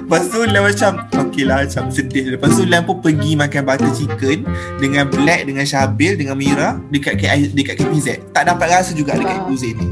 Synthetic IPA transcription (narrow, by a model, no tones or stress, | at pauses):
pastulamat͡ʃamokelamat͡ʃamsəndɪləpasulanpʊnpəɡimãkanbat̪ansikən | dəŋãnblɛk̚dəŋãnʃabɪldəŋãnmiɾadəkat̪̚kadəkat̪̚kapizɛt̪̚t̪aʔdapat̪̚ɾasad͡ʒuɡadəkat̪̚kuzənĩ